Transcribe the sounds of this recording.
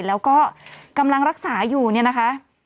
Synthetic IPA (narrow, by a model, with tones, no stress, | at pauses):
lɛː˦˥wkɔː˥˩ka˧mla˧ŋɾa˦˥k̚saː˩˦juː˨˩ni˥˩ɐna˦˥kʰa˦˥ʔ